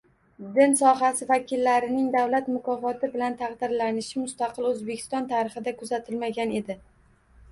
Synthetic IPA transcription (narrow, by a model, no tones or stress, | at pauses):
d̪ɪnsɒɦasɪvakʲʰɪlːaɾɪnɪŋd̪awlat̪mʊkʰɒfɒt̪ʰɪbɪlant̪ʰɑqd̪ɪɾlanɪʃɪmʊst̪aqʰɨlɵzbekʲʰɪ̥st̪ɒnt̪ʰaɾɪχɪd̪akʰʊzat̪ʰɪlmaɡʲane̞d̪ɪ